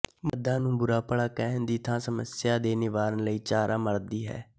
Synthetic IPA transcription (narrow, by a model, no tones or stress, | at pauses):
məd̪ːãːnũːbʊɾaːpəɽaːkɛɦnd̪iːt̪ʰãːsəməsɪjaːd̪eːnɪʋaːɾənləiːt͡ʃaːɾʔaːməɾd̪iːɦɛ̰ː